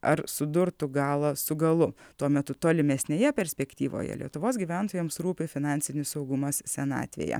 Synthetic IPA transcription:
ɐɾsʊd̪ʊɾt̪ʊɡɑːlˠɐsʊɡɐlˠʊt̪uɔmʲɛt̪ʊt̪oːlʲɪmʲɛsʲnʲeːjɛpʲɛɾʲsʲpʲɛkt̪ʲiːʋo̰ːjɛ̰lʲiɛt̪ʊʋoːsɡʲiːʋʲænt̪oːjɛmsɾuːpʲɪfʲɪnɑːnʲsʲɪnʲɪssɐʊɡʊmɐssʲɛnɑ̰ːt̪ʲʋʲḛjɛ̰

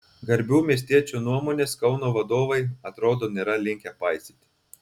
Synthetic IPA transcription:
ɡɐɾʲbʲuːmʲiɛs̬ʲt̪ʲiɛt͡ʃʲuːnuɔmoːnʲeːskɐʊnoːʋɐd̪oːʋɐɪɐt̪ɾoːd̪oːnʲeːɾɐlʲɪŋʲkʲɛpɐɪsʲɪːt̪ʲɪ

